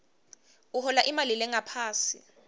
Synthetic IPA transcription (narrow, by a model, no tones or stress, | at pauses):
uhɔlaʔimalilɛŋapʰaːsḭ